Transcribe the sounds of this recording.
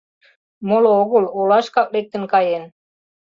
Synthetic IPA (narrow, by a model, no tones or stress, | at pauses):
molooɣololɑʃkɑk̚lek̚t̪ə̆nkɑjen